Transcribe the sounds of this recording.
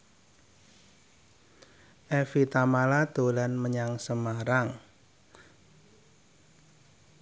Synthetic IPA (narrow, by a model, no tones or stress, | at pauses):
ʔɛfit̪amalad̪̥o̤lanməɲaŋsəmaɾaŋ